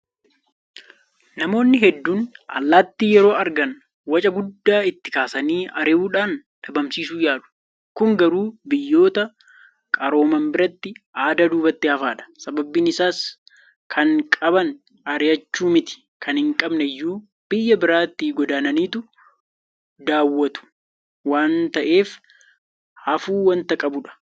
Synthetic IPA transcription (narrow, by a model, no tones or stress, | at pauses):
nɐmo̞ːnːɪɦɛd̪ːuːnʔɐ̰lːaːt̪ːiːjɛɾo̞ːʔɐɾɡɐn | wɐt͡ʃʼɐɡʊd̪ːaːɪt̪ːɪkaːsɐniːʔɐɾɪuːᶑaːn | ᶑɐbɐmsiːsuːjaːᶑʊ̥ | kʊŋɡɐɾuːbɪjːo̞ːt̪ɐ | kʼɐɾo̞ːmɐmbɪɾɐt̪ːɪaːd̪ad̪uːbɐt̪ːɪhɐfaːᶑɐ̥sɐbɐbɪnɪsaːs | kʰɐŋkʼɐbɐn | ɐɾɪɐt͡ʃːuːmɪt̪ɪ̥ | kʰɐnhɪŋkʼɐbnɛjːuː | b̥ɪjːɐbɪɾaːt̪ːiːɡɔd̪aːnɐniːt̪ʊ | d̪aːwːɐt̪ʊ̥ | waːnt̪ɐʔe̞ːf | hɐfuːwɐnt̪ɐkʼɐbʊᶑɐ̥